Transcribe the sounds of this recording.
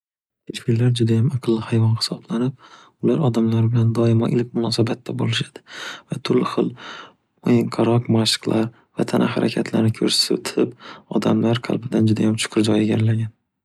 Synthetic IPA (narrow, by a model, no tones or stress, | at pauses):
kʰeʃpilaɾd͡ʒʊd̪ajamɑqʰɨlˠːɪhajvɒnχɪ̥sɒblanɪp̚ | ʊlaɾɒd̪amlaɾbɪland̪ɒɪmɒʔɪlk̚ʲmʊnɒsabat̪ʰːabolɪʃad̪̥ɪ̥vat̪ʰʊɾlɪχɨlˠ | ojɪŋqʰɑɾɒqmaʃɨ̥qlˠʔaɾ | vat̪ʰanʔa̰ha̰ɾa̰kʲʰat̪ʰla̰ɾnɪkʰɵɾsɪ̥sɪ̰t̪ʰɪpɒ̰d̪amlaɾqʰɑ̰lˠbɪd̪and͡ʒʊd̪a̰jamt͡ʃʰʊ̥qʰʊɾd͡ʒɒjeɡʲaɾlaɡʲan